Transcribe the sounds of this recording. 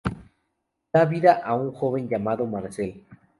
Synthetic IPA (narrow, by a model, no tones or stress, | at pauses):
d̪aβiðaʔauŋxoβenʝamaðomaɾsel